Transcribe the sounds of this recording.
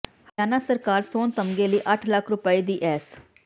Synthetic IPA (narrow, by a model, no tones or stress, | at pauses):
həaːnaːsəɾkaːɾsoːnt̪əmɡeːləiːʔəʈʰləkʰɾʊpəiːd̪iːʔɛːs